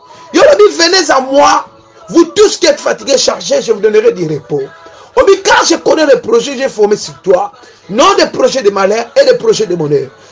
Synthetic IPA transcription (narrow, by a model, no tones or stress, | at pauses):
jolobivenezamwa | vutuskiɛt̪fatiɡeʃaʁʒeʒevudɔnəʁɛdiʁepo | obikaʁʒekonedepʁoʒɛʒefɔʁmesikt̪waʁ | nɔ̃d̪epʁoʒɛdemalɛʁedepʁoʒɛdemɔnɛ